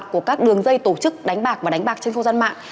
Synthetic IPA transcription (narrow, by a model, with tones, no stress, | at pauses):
k̚ku˧˩əkaː˦˥k̚ɗɨ˨˩əŋzə˧jt̪o˧˩t͡ɕɨ˦˥k̚ɗa˨˦jŋ̟ɓaː˨˩k̚vaː˨˩ɗa˨˦ŋ̟ɓaː˨˩k̚t͡ɕe˧nxə˧wzaː˧nma̰ː˧˨ŋ